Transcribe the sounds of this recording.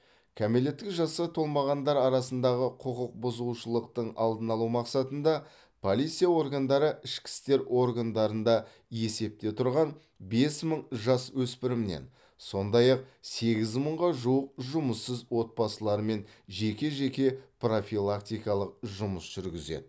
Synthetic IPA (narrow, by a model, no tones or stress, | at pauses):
kʲʰæme̞le̞t̪ːɪkʒɑsət̪ʰo̞lˠmɑʁɑnd̪ɑɾɑɾɑsənd̪ɑʁəqʰʊqəq̚bʊzuʃəlˠəq̚t̪əɴɑ̰lˠd̪ənɑlˠumɑqsɑt̪ənd̪ɑ | pʰo̞lˠijt̪sijao̞rɡand̪ɑɾəɪʃkʲɪ̥st̪e̞ɾʔo̞rɡand̪ɑɾənd̪ɑ | je̞se̞p̚t̪e̞t̪ʰʊɾʁɑn | be̞sməɴʒɑswɵspɪɾɪmɪnḛn | so̞nd̪ɑjɑq̚se̞ɡʲɪzməɴʁɑʒuwəq̚ʒʊməsːəzwo̞t̪̚pɑsəlˠɑɾme̞nʒe̞kʲe̞ʒe̞kʲe̞pro̞fʲilˠakt̪ijkɑlˠəq̚ʒʊməsʒ̥ʏɾɡʲɪzḛd̪ɪ